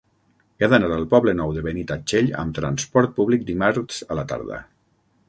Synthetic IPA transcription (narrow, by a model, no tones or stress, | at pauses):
aðənaɾəlˠpɔβlənɔwðəβənit̪at͡ʃeʎə̰mt̪ɾanspɔɾt̪̚puβlik̚d̪imaɾz̥əlat̪a̰ɾðə̰